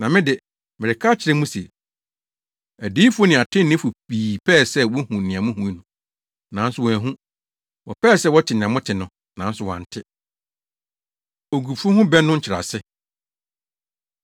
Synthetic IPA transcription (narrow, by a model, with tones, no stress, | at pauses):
nã˨mɪ̃˦dɪ˨ | mɪ˨ɾɪ˨kʰa˦t͡ɕʰɪ˨ɾɛ˦mũ˦se˨ | æ˨diː˦fu˦o˦nɪ̃˨a˨tʰɪ̃˦nɪ̃˦fu˨iː˨pʰɛː˦˨sɛ˦wɔ˦hũ˨nɪ̃˨ã˨mʊ̃˦ɦũ˦i˦nʊ̃˨ | nã˨˦n˦sʊ˨wɔ˨æ˨ɦũ˦ | wɔ˨pɛː˦˨sɛ˦˨wɔ˦tʰɪ˨nɪ̃˨ã˨mʊ̃˦tʰɪ˨nʊ̃˨ | nã˨˦n˦sʊ˨wã̰˨n̩˨tʰɪ˦ | o˨ɡu˨bfʊ˦hʊ̃˦bɛ˦nʊ̃˦ɲ̩˦t͡ɕʰɪ˨ɾa̰˨sɪ˦